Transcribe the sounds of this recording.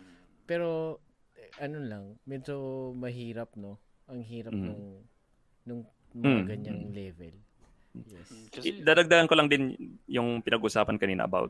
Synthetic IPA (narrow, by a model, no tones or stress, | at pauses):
pɛːɾo̞ | ʔɐnolɐŋmɛd̪d͡ʒomɐɦiːɾɐp̚no̞ʔɐŋɦiːɾɐnʊŋ | nʊŋ | mɐŋaɡɐɲanlɛːvɛ̰l | jɛsd̪aːd̪ɐɡ̚d̪aɡɐnkolɐŋd̪ɪnjʊŋpɪnɐɡʔʊsaːpɐnkɐniːnɐ̰ʔɐ̰ba̰wt̪̚